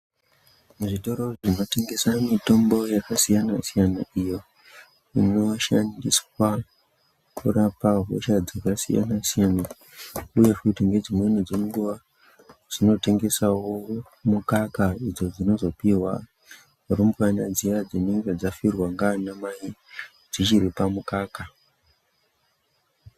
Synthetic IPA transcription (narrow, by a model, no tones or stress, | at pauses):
muʐito̞ɾo̞ʐino̞te̞ŋɡe̞samito̞mbo̞jakasijanasijana̰ijo̞ | ḭno̞ʃandiswa | kuɾapaɦo̰ʃad͡zakasḭja̰nasijana | uje̞kutiŋɡe̞d͡zimwenid͡zo̞ŋɡuʋa | d͡z̥ino̞te̞ŋɡe̞sawo̞ | mukakaid͡zo̞d͡zino̞zo̞piwa̰ | urombuanad͡zijad͡zineŋɡed͡zafirwaŋɡanamaji | d͡zit͡ʃiɾipamukaːka